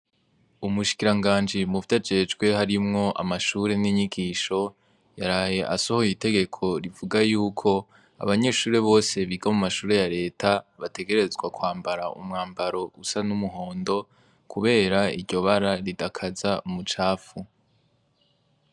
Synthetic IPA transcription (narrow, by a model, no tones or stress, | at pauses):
umuʃi̥kiɾaŋɡaːnd͡ʒimuvdad͡ʒe̞d͡ʒɡwe̞haɾimŋo̞ʔa̰maʃuːɾe̞niɲiɡiʃo̞ | jaɾaːje̞ʔasohojite̞ɡe̞kʰo̞ɾivuɡajuːkʰo̞ | a̰βaɲe̞ːʃuːɾeβo̞ːse̞βiɡamumaʃuːɾe̞jaɾe̞ːtʰaβate̞ɡe̞ɾe̞zɡwakwaːmbaɾa̰ʔṵmŋaːmbaɾo̞usanumuɦo̞ːndo̞ | kʰuβe̞ːɾaiɾɟo̞βaɾaɾidakʰazaumut͡ʃaːfu